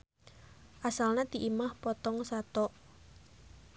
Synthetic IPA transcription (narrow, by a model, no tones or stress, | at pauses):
ʔasalnat̪iʔimahpɔt̪ɔŋsat̪ɔʔ